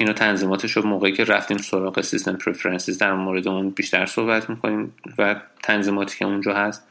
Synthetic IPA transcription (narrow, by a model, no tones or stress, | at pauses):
inɔːt̪ʰænziːmɒːt̪ʰeʃomoːɣeiːcʰe̞ɾæft̪iːmso̞ɾɒːɣesist̪ʰempʰɾefeɾensizd̪æɾmoːɾe̞d̪eunbiːʃt̪æɾso̞hbæt̪ʰmiːkʰoniːmvæt̪ʰænziːmɒːt̪ʰi̥ːcʰeund͡ʒɒːhæst̪